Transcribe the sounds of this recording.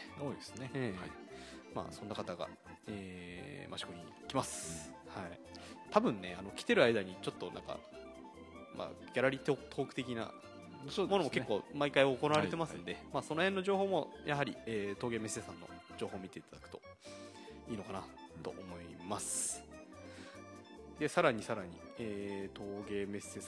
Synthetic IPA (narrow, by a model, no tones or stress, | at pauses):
oesneeː | ma̰ːsõ̞nːakat̪aɡa̰ | eːmaɕi̥ko̞ɲ̟i | kʲimasɨ̥hai | t̪abɯ̟̃nːe̞ano̞kʲi̥t̪e̞ɾɯ̟aid̪aɲ̟it͡ɕo̞t̪ːo̞nã̰ŋka̰ | mʔa̰ɡʲaɾaɾʲit̪ot̪ʰo̞ːkɯ̟̥t̪e̞kʲina̰ | somo̞nomo̞kekːo̞ːmaikaio̞konaβaɾet̪emasɨɨno̞d̪emaːso̞no̞hẽ̞nːoʑo̞ːho̞ːmo̞jʔaɦaɾʲieːt̪oːɡe̞me̞sːe̞ːsãnːo̞̰d͡ʑo̞ːhoːmʲit̪e̞it̪ad̪akɯ̥t̪o̞̥ | iːno̞kanat̪o̞̰ʔomo̞imasɨ̥ | d̪e̞saɾaɲ̟isaɾaɲ̟ḭ | eːt̪ʰo̞ːɡe̞ːme̞sːe̞ːs